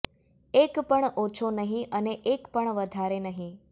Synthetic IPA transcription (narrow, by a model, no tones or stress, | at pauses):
ekpəɳot͡ʃʰonəɦĩʔəneʔekpəɳʋəd̪ʱaɾenəɦĩ